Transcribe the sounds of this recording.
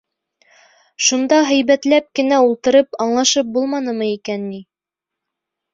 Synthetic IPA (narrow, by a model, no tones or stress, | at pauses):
ʃund̪ɑɦæ̆jβæt̪læp̚kɘ̆næulˠt̪ɤ̆ɾɤpɑɴlˠɑʃɤp̚bulˠmɑnɤ̆mɤikænːi